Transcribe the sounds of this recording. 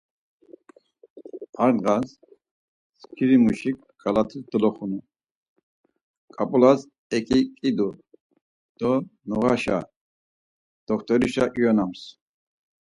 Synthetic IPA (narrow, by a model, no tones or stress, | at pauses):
aɾnʁas | skʰiɾimuʃik | ɡalat̪ʰisd̪lɔχunu | kʼapʼulas | ɛkʼikʼid̪u | d̪̥ɔnuʁaʃa̰ | d̪̥ɔkʰt̪ʼɔɾiʃaʔjɔnams